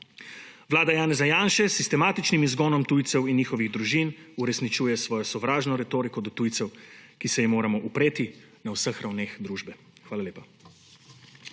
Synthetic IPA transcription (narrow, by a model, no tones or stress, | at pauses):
ʋlaːd̪ajaːnɛzajaːnʃɛsist̪ɛmaːt̪it͡ʃnimizɡɔːnɔmt̪uːjt̪sɛwinjiːxɔʋiɣd̪ɾuʒinuɾɛsnit͡ʃuːjɛsʋɔːjɔsɔʋɾaːʒnɔɾɛt̪oːɾikɔd̪ɔt̪ujt̪sɛwkisɛjimoːɾamɔʔupɾeːt̪i | nawsəxɾawneːxd̪ɾuːʒbɛ | xʋaːlaleːpa